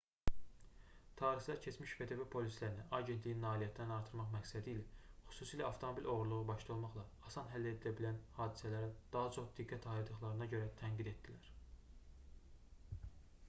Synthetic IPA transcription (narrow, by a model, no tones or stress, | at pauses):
t̪ʰɑːɾixlˠɑɾcʰe̞t͡ʃmiʃved̪æbæpʰo̞lislæɾinæʔɑɟent̪lijinːɑːlijæt̪ʰːd̪ænɑɾt̪ʰɯɾmɑχmæksæd̪iːlæχy̥suːsiːlæɑft̪ʰo̞mobilʲʔo̞ɣuɾlˠuʁubɑʃlˠɑo̞lˠmɑχlˠɑːsɑnɦælːæed̪ilæbilænhɑːd̪isælæɾid̪̥ɑɦɑt͡ʃʰo̞χd̪iɡːæt̪ʰɑiɾd̪ɯχlˠɑɾɯnɑɟø̞ɾæt̪ʰæŋɡid̪e̞t̪ːd̪ilæɾ̥